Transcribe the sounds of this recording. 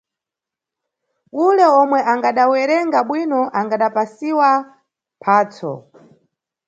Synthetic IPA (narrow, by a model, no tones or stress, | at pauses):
ulɛɔmwɛʔaŋɡaɗawɛɾɛŋɡaɓwinɔʔaŋɡaɗapasiwa | pʰaːt͡sʰɔ̰